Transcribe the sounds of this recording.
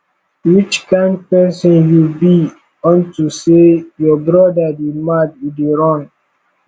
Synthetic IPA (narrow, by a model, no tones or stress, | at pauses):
wit͡ʃkãɪ̃nd̚pɛsɔ̃njubi | ɔ̃ntusejɔbɾɔdademadideɹɔ̃n